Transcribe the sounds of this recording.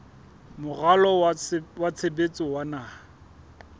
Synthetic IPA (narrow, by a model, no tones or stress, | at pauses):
mʊɣalɔwat͡sʰebet͡sʼɪwanaː